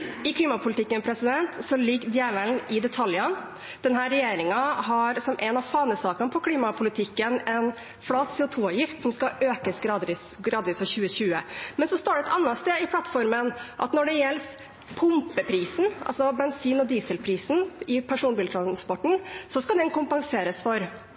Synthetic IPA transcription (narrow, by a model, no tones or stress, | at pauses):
ɪkʰliːmɑpʰʊlɪt̪ʰɪkːənpʰɾɛsɪd̪ɛnt̪sɔlɪɡːd̪jæʋəlnɪd̪ɛt̪ʰɑljən | d̪̥ɛnɦæːɾɛjeːɾɪŋɑɦɑɾsɔmʔɛnɑʋfɑːnəsɑːkɑnpʰɔkʰliːmɑpʰʊlɪt̪ʰɪkːənɛn | fɽɑːt̪sɛːʊt̪ʰuːɑʋjɪft̪sɔmskɑʔøːkəsɡɾɑːd̪ʋiːsɡɾɑːd̪ʋiːsfɔçʉːəçʉːəmɛnsɔst̪oːɖɛɛt̪ɑnːɑst̪eːɪpʰlɑt̪ːfɔɾmənʔɑ̰t̪nɔɖɛjɛlːs | pʰʊmpəpʰɾiːsn̩ʔɑ̰lsɔbɛnsiːnɔd̪iːsəlpʰɾiːsn̩ɪpʰæʂuːnbilt̪ʰɾɑnspɔʈːɳ̩sɔskɑd̪ɛnkʊmpɑŋseːɾəsfɔɾ